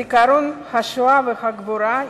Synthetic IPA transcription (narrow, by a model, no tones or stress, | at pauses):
ikaɾonhaʃoavehaɡbuɾa